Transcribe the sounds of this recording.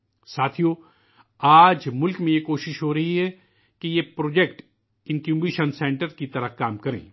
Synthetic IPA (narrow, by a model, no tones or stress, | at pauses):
saːt̪ʰijo | aːd͡ʒmʊlkmẽjekoːʃɪʃɦoɾɐɦiɦɛ | kejepɾoːd͡ʒekʈ | ɪ̃nkjuːbiːʃənsɛ̃ːɳʈəɾkit̪ɐɾəɦkaːmkɐɾḛ̃ː